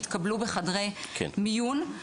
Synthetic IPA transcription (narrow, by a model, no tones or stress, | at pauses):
t̪kablubeχadʁejkʰḛnmijun